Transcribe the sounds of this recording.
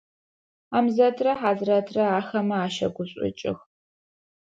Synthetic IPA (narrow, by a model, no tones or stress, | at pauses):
aːmzɐtʰrɐħaːzrɐtʰrɐaːxɐmɐaːʃɐ̰ɡʷʊɕʼɪ̰t͡ʃʼɪ̰x